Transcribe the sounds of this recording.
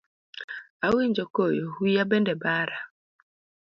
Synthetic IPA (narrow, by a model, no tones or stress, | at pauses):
awid͡ʒokojoɦujabendebaːɾa